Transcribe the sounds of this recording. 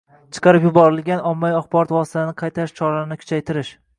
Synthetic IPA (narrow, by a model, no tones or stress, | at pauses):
t͡ʃʰɨ̥qʰɑɾɪpjʊbɒɾɪlɡʲanɒmːajɒχbɒɾɒt̪vwɒsɪ̥t̪ʰaɪnɪqʰɑjt̪ʰaɾɪʃt͡ʃʰɒɾanɪkʰʊ̥t͡ʃʰajt̪ʰɪɾɪʃ